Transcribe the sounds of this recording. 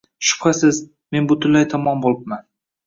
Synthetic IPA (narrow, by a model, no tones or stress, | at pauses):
ʃʊ̥pχasɪz | me̞nbʊt̪ʰʊlajt̪ʰɒmɒnbolˠɪp̚man